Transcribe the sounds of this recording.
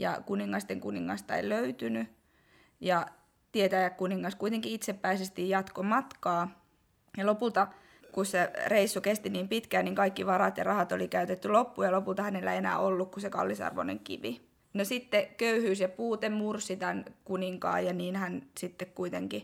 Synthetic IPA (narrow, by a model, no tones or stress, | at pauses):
jɑ̰kuniŋːɑst̪eŋkuniŋːɑ̰st̪ɑḛiløyt̪yny | jɑ | t̪iet̪æjækkuniŋːɑskuit̪eŋkiit̪sepːæisest̪ijjɑt̪komɑt̪kɑː | jɑlopult̪ɑ | kussereisːukest̪iniːmpit̪kæːnniŋkɑikːiʋɑrɑt̪jɑrɑhɑt̪olikæyt̪et̪ːylopːujɑlopult̪ɑhænelːæienæ̰ːolːukkusekɑ̰lːisɑ̰rʋo̰nḛŋkḭʋi | nosit̪ːekøyhyːsjɑpuːt̪emmursit̪ænkuniŋkɑ̰ːjɑniːnhænsit̪ːekkuit̪eŋki